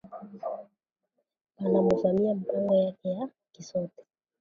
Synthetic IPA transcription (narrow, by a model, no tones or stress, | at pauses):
anamuvamiamɓaŋɡɔjakɛja | kisɔtɛ̥